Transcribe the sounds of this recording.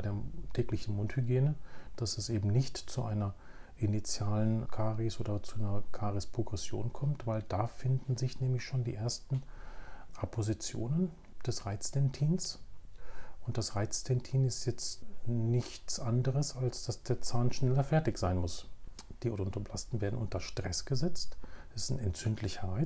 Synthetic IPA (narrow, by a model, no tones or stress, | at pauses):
aɪdeːɐtʰɛːklɪçn̩mʊnthyɡjeːnəd̥asɛsʔeːbm̩nɪçtt͡suʔaɪnɐʔinit͡sjaːlənkʰaːʁisʔoːdɐt͡suʔaɪnɐkʰaːʁispʁ̥oɡʁɛsjo̰ːnkʰɔmtv̥aɪld̥aːfɪndn̩zɪçnɛːmlɪçʃoːndḭːʔeːɐstn̩ | ʔapʰozit͡sjo̰ːnən | d̥ɛsʁaɪt͡stʰɛntʰiːns | ʔʊnt̚d̥asʁaɪt͡stʰɛntʰiːnɪstjɛt͡stnɪçt͡sʔandəʁəsalsd̥asd̥eːɐt͡saːnʃnɛlɐfɛɐtɪçz̥aɪnmʊs | d̥iːʔoːdɐʊntɐblastn̩veːɐdn̩ʔʊntɐʃtʁ̥ɛsɡ̥əzɛt͡stsɪ̥nɛntt͡sʏntʰlɪçɐʁaɪ